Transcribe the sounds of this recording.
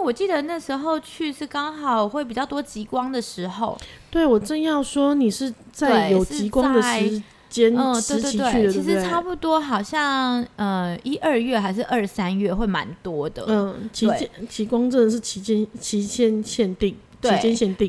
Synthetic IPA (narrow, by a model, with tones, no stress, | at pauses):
n˥˩wɔ˨˩t͡ɕi˥˩d̪ə˩na˥˩ʂɻ̩˧˥xo˥˧ʊt͡ɕʰy˥˧ʂɻ̩˥˩kɑ˥ŋxɑ˨˩ʊxwe˥˩ɪpi˨˩t͡ɕjɑ˥˩ʊt̪wɔ˥t͡ɕi˧˥kwɑ˥ŋd̪ə˨ʂɻ̩˧˥xo˧ʊt̪we˥˩ɪwɔ˨˩ʈ͡ʂə˥˧njɑ˥˩ʊʂwɔ˥ni˨˩ʂɻ̩˥˧ | t͡sa˥˩eɪjo˨˩ʊt͡ɕi˧˥kwɑ˥ŋd̪ə˨˥˧ɪɻ | t͡ɕjɛ˦˥n˧˩t̪e˥˧t̪t͡ɕi˧we˥˩y˥˧˨ə˨t͡ɕi˧˥ʂɻ̩˧˥˧ʈ͡ʂʰa˥˧pu˥˩t̪wɔ˥xɑ˨˩ʊɕjɑ˥˩ŋə˧i˦˥ʔə˞˥˧ɥɛ˥˩xa˧˥ɪʂɻ̩˥˧ʔə˞˥˩sa˥nɥɛ˥˧xwe˥˩ɪma̰˧˦nt̪wɔ˥d̪ə̰˨ə˥˩t͡ɕʰi˧˥˩ɛ˥˧t͡ɕʰi˧˥kwɑ˥ŋʈ͡ʂə˥˩nd̪ə˨˩ʂ̬ɻ̩˥˩t͡ɕʰi˧˥t͡ɕɛ˥˩nt͡ɕʰi˧˥ɕjɛ˥˧nɕjɛ˥˧nt̪i˥˨˩ŋ | t͡ɕt̪wʰei˧˥˩t͡ɕjɛ˥˦nɕjɛ˥˧nt̪i˥˨˩